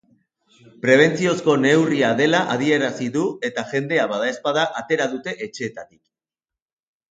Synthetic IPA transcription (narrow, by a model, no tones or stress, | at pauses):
pɾe̞β̞e̞nt͡sio̞sko̞ne̞wriaðe̞laʔaðie̞ɾasiðue̞t̪aʝe̞nd̪e̞aβaðae̞spaðaʔat̪e̞ɾaðut̪e̞ʔet͡ʃe̞ːt̪at̪i̥k